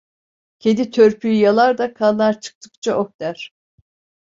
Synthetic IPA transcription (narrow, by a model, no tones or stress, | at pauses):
cʰed̪it̪ʰøɾpʰyjyjalˠaɾd̪akʰanlˠaɾt͡ʃʰɯ̥k̚t̪ʰɯ̥kt͡ʃʰaʔok̚t̪æɾ̥